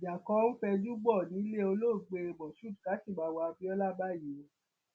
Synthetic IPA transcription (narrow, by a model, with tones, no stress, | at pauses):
d͡ʒa˨kɔ̃˧˦fɛ˧d͡ʒu˦ɡ͡bɔ˦˨nĩ˨˦le˦o˧lo˦˨ɡ͡be˧bɔ˨ʃu˦˨dka˨˦si˦˨ba˧˦wa˧bi˦ɔ˦la˦ba˦˨ji˨˦